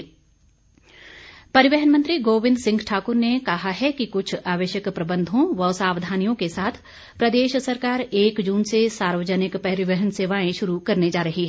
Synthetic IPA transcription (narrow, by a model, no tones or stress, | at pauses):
pɐɾɪʋɛɦənmə̃nt̪ɾiɡoːʋɪ̃nd̪sɪ̃ŋɡʈʰaːkʊɾnekɐɦaɦɛkikʊt͡ʃʰaːʋəʃjəkpɾɐbə̃nd̪ʱõʋɐsaːʋd̪ʱaːnijõkesaːt̪ʰ | pɾɐd̪eːʃsɐɾkaːɾeːkd͡ʒuːnsesaːɾʋəd͡ʒənɪkpɛɾɪʋəɦənseːʋaːẽʃʊɾukɐɾned͡ʒaːɾɐɦiɦɛː